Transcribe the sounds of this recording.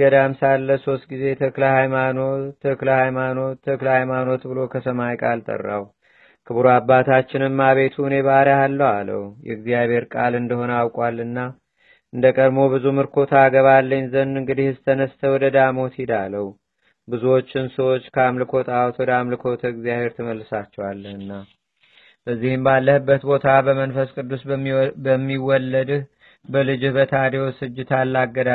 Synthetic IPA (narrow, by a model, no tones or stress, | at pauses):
ɡəd̪amsalːəso̞st̪̚ɡize̞t̪ʰəkləhajmanoəkləhajmanoəklhajmano̞t̪bɨlo̞kʰəsəmajkʼalt̪ʼə̰rːa̰w | kʰɨβɾuabːat̪ʰat͡ʃːɪnɨmmaβe̞t̪ʰuɨne̞βəaɾahalːəwalə̰wjɛ̰ɨɡzijaβʱhe̞ɾkʼalɨnd̪əho̞nəawkʼwalːɨnːa | ʔɨnd̪əkʼəd̪mo̞bɨzumɨɾkʰo̞t̪ʰaɡəβalːəɲzənɨŋɡɨd̪ihɨsɨt̪ʰənəst̪ʰəwɔd̪əd̪amo̞t̪hɪd̪aləw | bɨzuwo̞t͡ʃːɪnsəwo̞t͡ʃːkʰəamlɨkʰo̞t̪ʰʼawɔt̪wɔd̪amlɨkʰo̞t̪ʰəɨɡzijaβhe̞ɾt̪ʰɨməlːɨsat͡ʃːɛwalːəhɨnːa | b̥əzːihɨmbalːəhɨbːət̪bo̞t̪ʰabəmənfəskʼɨd̪ːusbəmːiwɔlːəd̪h | bəlɨd͡ʒuhbət̪ʰad̪ewosɨd͡ʒːɪt̪ʰalːaɡːəd̪a